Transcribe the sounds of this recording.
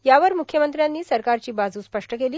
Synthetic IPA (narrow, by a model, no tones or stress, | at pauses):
jaʋəɾmukʰːjəmənt̪ɾjanːiːsəɾkaɾt͡ɕiːbad͡zuːspəʂʈəkeliː